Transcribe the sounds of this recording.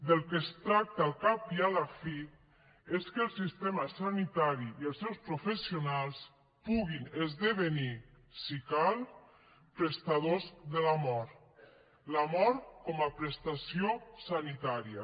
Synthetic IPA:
d̪əlˠkəst̪ɾak̚t̪alˠkapialafi | eskəlˠsist̪emasanit̪aɾiːəlˠsɛwspɾufesiunalˠs | puɣinezðəβəni | sikal | pɾest̪aðozðəlamɔɾ | lamɔɾkɔmapɾəst̪asiosanit̪aɾia̰

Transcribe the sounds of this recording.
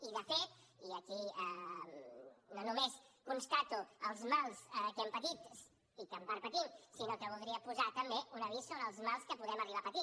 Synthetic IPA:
iðəfet̪iəkiə | nonumeskunst̪at̪uəlˠzmalˠsəkɛmpət̪its | ikəmbaɾpət̪imsinokəβ̞ulˠd̪ɾiəpuzat̪əmbeʔunəβisonəlˠzmalˠskəpuðɛməriβapət̪i

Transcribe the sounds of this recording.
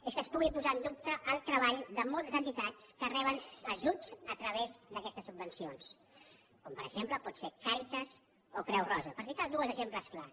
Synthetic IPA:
eskəspuɣipuzaənd̪up̚t̪əʔːlˠt̪ɾəβ̞aʎd̪əmɔlˠt̪əzənt̪it̪at͡skərɛβənəʒuzət̪ɾəβ̞ezd̪əkɛst̪əsːubːənsions | kompəɾə̰ɡʒempləpɔt̪sekaɾit̪əz | opɾɛwrɔzəpəɾfit̪ad̪uəzəʒempləskla

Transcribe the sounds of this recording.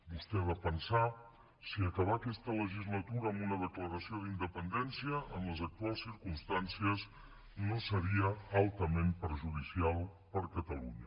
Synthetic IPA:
bust̪ɛβ̞apənsa | siəkəβ̞akɛst̪ələʒizlət̪uɾəːmbunəðəkləɾəsioðind̪əpənd̪ɛnsiəʔəmləzək̚t̪ualˠsiɾkumst̪ansiəz | nosəɾiəalˠt̪əmempəɾʒuð̞isialˠpəɾkət̪əlṵɲə

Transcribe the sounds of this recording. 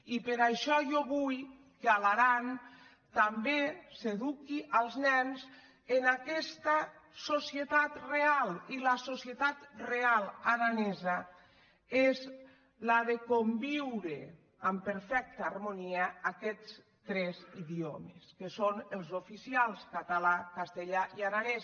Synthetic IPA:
ipeɾaʃɔʒɔβuj | kealaɾan | t̪ambeseðukiʔalˠznɛnz | enakɛst̪asosiet̪at̪realilasosiet̪at̪realˠaðanɛza | ez | laðekombiwɾe | ampeɾfɛk̚t̪aːrmoniaakɛt͡s | t̪ɾɛziðiomeskesonelˠzofisialˠskat̪alakast̪eʎaʔiaɾanɛ

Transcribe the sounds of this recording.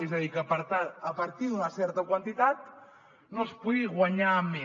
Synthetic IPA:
ezəðikəpəɾt̪aəpəɾt̪iðunəsɛɾt̪əkwənt̪it̪at̪̚ | nospuðiɣwaɲame

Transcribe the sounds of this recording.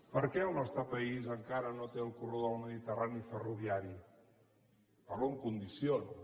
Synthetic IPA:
pəɾkɛəlˠnɔst̪ɾəpəizəŋkaɾənot̪eəlˠkuroðəlˠməðit̪əranifəruβ̞iaɾi | pəɾoŋkund̪ision

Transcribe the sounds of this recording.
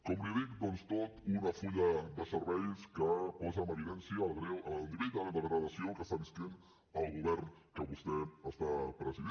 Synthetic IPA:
kɔmliðikd̪ɔnst̪ot̪unəfuʎəðəsəɾβɛjskəpɔzəməɾilɛnsiəlɣɾewʔəlˠd̪iɾit̪ələðəɣɾəðəsiokəst̪aβisk̪en | əlˠɣuβɛɾnkəβust̪ɛəst̪apɾəziðe

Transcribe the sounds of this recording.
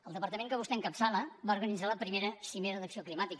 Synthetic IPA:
əlˠd̪əpəɾt̪əmẽŋkəβ̞ust̪ɛəŋkapsaləβauɾɣənid͡zaləpɾimeɾəsimeɾəðəksioklimat̪ik

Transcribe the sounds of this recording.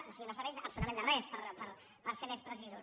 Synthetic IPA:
osinosaβɛjzɐ̰psuut̪amẽnd̪ərespəɾpəɾ | pəɾsemespɾəsizu

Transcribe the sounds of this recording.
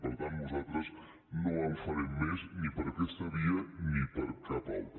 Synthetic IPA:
pəɾt̪ant̪nuzalˠt̪ɾəz | noamfaɾemmeznipəɾakɛst̪aβianipəɾkap̪a̰lt̪

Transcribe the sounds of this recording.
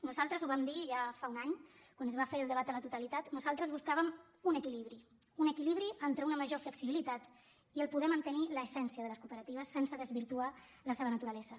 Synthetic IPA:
nuzalˠt̪ɾəzuβamd̪iʒafaunaɲ | kwanəzβafeɾəlˠd̪əβ̞at̪ələt̪ut̪əlit̪at̪nuzalˠt̪ɾəzβuskaβəm | unəkiliβɾi | unəkiliβ̞ɾiʔənt̪ɾəunəməʒofləksiβilit̪at̪ | iəlˠpuðɛmənt̪əniləːsɛnsiəðələskupəɾət̪iβəsːɛnsəðəzβiɾt̪ua | ləseβənət̪uɾəlɛzə

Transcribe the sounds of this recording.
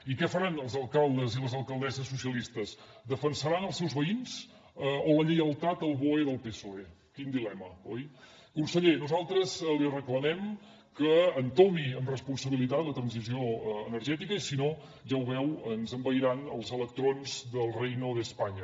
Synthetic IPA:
ikɛfəɾanəlˠzəlˠkalˠd̪əziləzəlˠkəlˠd̪ɛzəsːusiəlist̪əz | d̪əfənsəɾanəlˠsɛwzβəinz | oləʎəjəlˠt̪at̪əlˠβoeðəlˠpesoe | kind̪ilɛməɔj | kunsəʎenuzalˠt̪ɾəzlirəkləmɛm | kəːnt̪omiəmrəspunsəβilit̪at̪lət̪ɾənzizioənəɾʒɛt̪ikəisino | ʒawβɛwənzəmbəjɾanəlˠzələk̚t̪ɾonzðəlˠrejnoðəspaɲə

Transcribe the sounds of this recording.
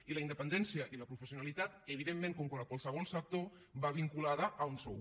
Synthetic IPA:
iləind̪əpənd̪ɛnsiəʔiləpɾufəsiunalit̪at̪əβiðemːẽŋkɔŋkwaləkwalˠsəβ̞ɔlˠsək̚t̪o | βaβ̞iŋkulaðəːunsɔ̰w

